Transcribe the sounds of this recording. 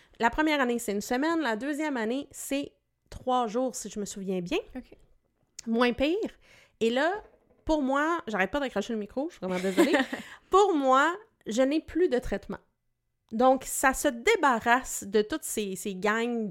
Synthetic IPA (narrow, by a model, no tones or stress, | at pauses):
lapχəmjɛːʁanesɛynsəmɛnlad̪øːzjɛmanesɛ | t̪χwaʒuːʁsiʒəməsuvjɛ̃bjɛ̃ | mwɛ̃piːʁ | elʌ | puʁmwaʒaʁɛt̪̚pɔd̪əkʁaʃeləmikχoʃvʁɛmɑ̃d̪ezɔlepuʁmwa | ʒənɛplyd̪ət̪χɛt̪mɑ̰̃ | d̪ɔ̃ksasəd̪ebaʁasd̪ət̪ʊt̪seseɡaɲ